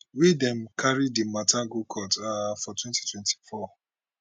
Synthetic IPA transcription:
widɛ̃mkʰaɹidimatʰaɡukʰɔtafɔtwɛ̃nti̥twɛ̃nti̥fɔ

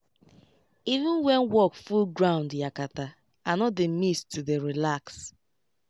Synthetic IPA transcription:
ivũnwɛnwɔkfulɡɹãʊ̃ndjakata | anɔt̚demistːudeɾilaks

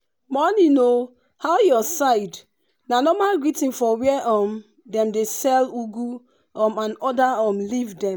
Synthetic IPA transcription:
mɔnino | haʊjɔsaɪd | nanɔmalɹitĩnfɔwiɛʔɔm | dɛ̃mdesɛluɡu | ɔmãnɔdaɔmlivdɛ̃m

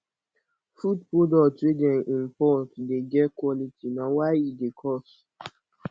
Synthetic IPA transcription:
fudpodɔtɹedɔ̃nʔĩmpɔtdeɡɛtkwɔlitinawaɪidekʰɔs

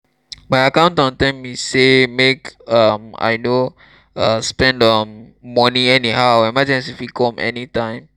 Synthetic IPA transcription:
majakãʊ̃ntɔ̃ntɛ̃misemekʌma̰jno | ʌ̃spɛ̃ndʌmːɔnĩɛnihawɛmad͡ʒɛ̃nsifikʰɔ̃mɛ̰nitãɪ̃m

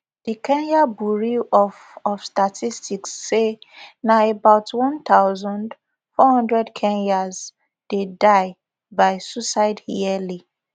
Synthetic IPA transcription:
d̥ikɛ̃njabuɹiɔf | ɔfstatʰistiksːenaebaʊtʰwɔ̃nt̪aʊzɔ̃nd | fɔhʌ̃ndɹɛdkʰɛ̃njaz | d̥edaɪ | baɪsusaɪdhiɛli

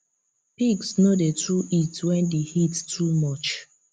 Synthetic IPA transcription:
piksnodetʰɹuʔitwɛ̃ndehittʰumɔt͡ʃ

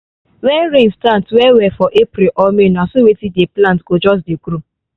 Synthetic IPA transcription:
wɛɾẽnstãntwɛwɛfɔʔepɾilʔɔmenasowetideplãntɡod͡ʒɔs̬dekɾu

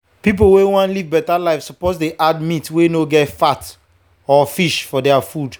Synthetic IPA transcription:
pip̬olwewɔ̃nlivbɛtalaɪfsɔposdeʔad̚mĩtwenoɡɛtfat | ɔfiʃfɔdɛafud

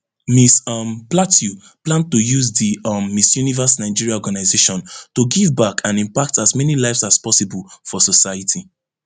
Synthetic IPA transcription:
misʌmplatʰju | plãn̚tujuzdimːisjunivəsnaɪd͡ʒiɹiaɔɡanaɪzeʃɔ̃ntuɡivbakʰãnĩmpak̚tazmɛnilaɪvsaspɔsibɔlfɔsɔsaɪjatʰi

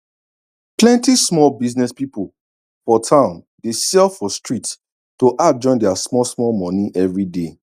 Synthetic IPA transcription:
plɛ̃ntismɔlbiznɛspipol | fɔtʰãʊ̃n | desɛlfɔstɹit | toʔad͡ʒɔ̃ɪ̃ndɛasmɔlsmɔlmɔ̃niʔɛvɹide

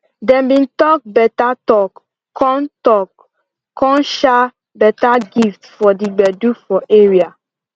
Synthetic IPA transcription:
dɛ̃mbĩntɔk̚bɛtatɔk | kːɔ̃ntɔk | kɔ̃nʃa | bɛtaɡiftfɔdiɡ͡bɛdufɔʔeɹia

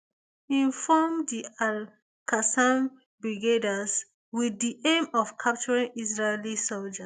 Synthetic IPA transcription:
ĩnfɔmdial | kasãm | bɹiɡedas | wiðiʔẽmɔfkʰap̚t͡ʃɔɹĩŋisɹelisold͡ʒa

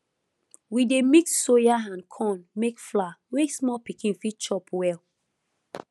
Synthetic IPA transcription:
widemitsojaãnkʰɔ̃nmekflawesmɔlpikĩnfit͡ʃɔpwɛl

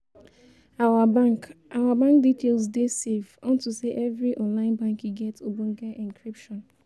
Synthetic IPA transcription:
aaawabãŋk̚ditʰelsdesevɔ̃ntuseʔɛvɹiʔɔ̃nlãɪ̃nbãŋkiɡɛtobũnɡɛʔĩŋkɹipʃɔ̃n

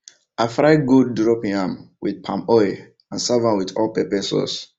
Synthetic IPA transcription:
afɾaɪɡudːɹɔpiãmwid̚pʰãmɔe | ãnsavãnwitɔlpɛpɛsɔ̰s

